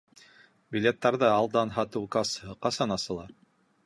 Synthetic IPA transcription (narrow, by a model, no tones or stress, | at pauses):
bʲilʲet̪ːɑɾðɤɑlˠd̪ɑnɦɑt̪ɤwkɑshɤqɑsɑnɑsɤ̆lˠɑ